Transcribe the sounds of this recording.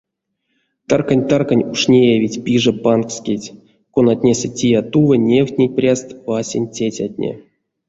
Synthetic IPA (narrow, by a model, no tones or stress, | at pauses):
t̪arkanʲt̪arkanʲuʂnʲejavʲitʲpʲiʐɨpankskʲetʲ | konat̪ʲnʲesʲetʲijat̪uvənʲewt̪ʲnʲeprʲast̪vasʲenʲtʲetʲatʲnʲḛ